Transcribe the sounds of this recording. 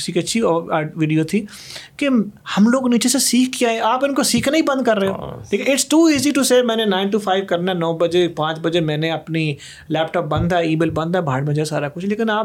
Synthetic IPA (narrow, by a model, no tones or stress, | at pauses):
siːkətːʃʰiʋiːɖijoːt̪ʰiː | kehɐmloːɡniːt͡ʃesesiːkʰkiaːeaːpɪnkosiːkʰnaːibə̃nd̪̚kəɾːeːoleːkɪʈsʈuːiːziʈuseːmɛ̃ːnẽnãːɪnʈ̬upʰaːɪʋkəɾnanɔːbəd͡ʒepãːt͡ʃbəd͡ʒemɛ̃ːnẽəpni | lɛːp̚ʈɔːp̚bə̃nd̪aiːmeːlbə̃nd̪aːbʱaːɽmẽd͡ʒaːsaːɾakʊt͡ʃʰleːkɪnaːp